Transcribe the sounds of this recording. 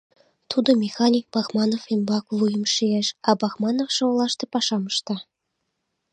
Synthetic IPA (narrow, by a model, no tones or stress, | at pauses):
t̪ʰud̪ɤ̆mʲexɑnʲik̚bɑxmɑnofimbɑklˠujə̆mʃieʃɑbɑxmɑnofʃŏlˠɑʃt̪ɤ̆pɑʂɑmɤ̆ʃt̪ɑ